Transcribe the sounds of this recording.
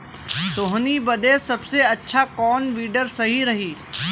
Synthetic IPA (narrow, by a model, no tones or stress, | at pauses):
soːɦnibɐd̪esɐbseɐtːʃʰakɔːnʋiːɖəɾsɐɦiɾɐɦiː